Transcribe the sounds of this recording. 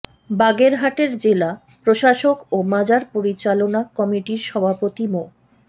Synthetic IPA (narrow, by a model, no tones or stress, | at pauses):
baɡeɾɦaʈeɾd͡ʑela | pɾoʃaʃokomad͡ʑaɾpoɾit͡ɕalonakɔmiʈiɾʃɔbʱapot̪imo